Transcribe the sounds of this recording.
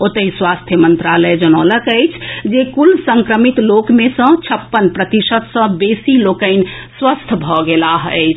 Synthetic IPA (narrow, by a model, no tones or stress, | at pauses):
ot̪əiswast̪ʰjəmənt̪ɾaləjd͡ʒənələkəjt͡ʃʰd͡ʒekulsəŋkɾəmit̪lokmesə̃t͡ʃʰəpːənpɾət̪isət̪sə̃besilokəɪn | swəst̪ʰbʱɔɡelaɦəɪt͡ʃʰ